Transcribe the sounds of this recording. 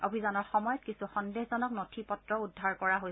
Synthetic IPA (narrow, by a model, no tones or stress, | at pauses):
obʱizanɔɹxɔmɔjɔt̚kisuxɔndeɦzɔnɔknotʰipɔtɹɔudʱːaɹkɔɹaɦo